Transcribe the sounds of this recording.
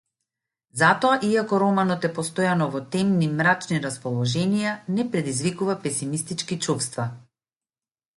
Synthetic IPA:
zat̪ɔaʔiakɔɾɔmanɔt̪ɛpɔst̪ɔjanɔvɔt̪ɛmnimɾat͡ʃniɾaspɔlˠɔʒɛnijanɛpɾɛd̪izvikuvapɛsimist̪it͡ʃkit͡ʃufst̪va

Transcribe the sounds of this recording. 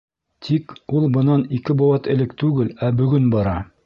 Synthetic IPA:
t̪ʰikulˠbɤ̆nɑnikɘbowɑt̪ɘ̆lɘk̚t̪ʉɡɘlæbɵ̆ɡɵnbɑɾɑ

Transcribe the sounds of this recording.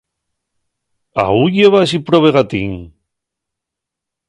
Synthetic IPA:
a̰ujeβas̬ipɾoβeɣat̪ḭŋ

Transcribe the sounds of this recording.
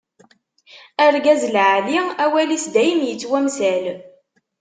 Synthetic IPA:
æɾɡæzlʕaliæwælisd̪æjəmjət͡sːwæmsæl

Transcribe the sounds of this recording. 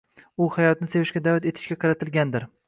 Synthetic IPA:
ʊhajɒt̪̚nɪse̞vɪʃkʲad̪avat̪e̞t̪ʰɪ̥ʃkʲaqʰɑɾat̪ʰɪlɡʲand̪ɪɾ

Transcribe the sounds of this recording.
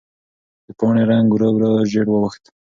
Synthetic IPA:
d̪̥əpɑɳeɾaŋɡuɾawɾaʒeɽwəwəxt̪

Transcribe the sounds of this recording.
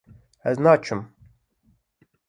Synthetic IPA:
ɛznaːt͡ʃʰʊm

